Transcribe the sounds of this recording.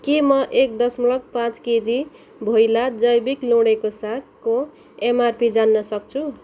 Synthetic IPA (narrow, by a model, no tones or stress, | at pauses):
kimʌʔek̚d̪ʌsmuɭʌk̚pãt͡sked͡zi | bʱojlad͡zʌjbiklũɽekosakko | emarpid͡zanːʌsʌk̚t͡sʰu